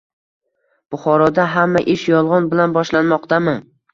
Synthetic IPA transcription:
b̥ʊχɒɾɒd̪aɦamːaʔɪʃjɒlˠʁɒnbɪlanbɒʃlanmɒq̚t̪amɪ

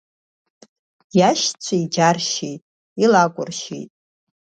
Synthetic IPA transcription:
jaʃt͡ɕʷʰaid͡ʒarʃijtʼ | ilakʷʼʊrʃḭjtʼ

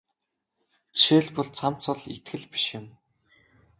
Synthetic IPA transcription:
t͡ɕʃeːɮpʊɮt͡sʰam̥t͡sʊ̆ɮḭt̪ɡɘ̆ɮpi̥ʃɪ̆m

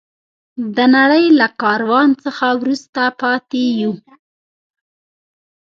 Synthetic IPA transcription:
d̪ənaɽəjlakɑɾwɑnt͡səxawɾust̪apɑt̪eju

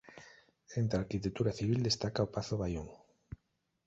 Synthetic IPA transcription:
ent̪aɾkit̪ekt̪ːuɾaθiβ̞ild̪est̪akaopaθoβajoŋ

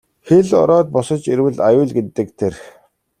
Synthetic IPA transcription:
xeɮɔ̰ɾɔːt̪̚pɔsɞ̆t͡ɕeɾwɘ̆ɮajʊːɮɡet̪ɘ̆k̚t̪ʰerx

